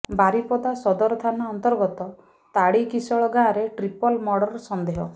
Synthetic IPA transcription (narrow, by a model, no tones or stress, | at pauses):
baɾipɔd̪asɔd̪ɔɾɔt̪ʰanaɔnt̪ɔɾɡɔt̪ɔ | t̪aɽikisɔɭɔɡãːɾeʈɾipɔlmɔɽɔɾsɔnd̪eɦɔ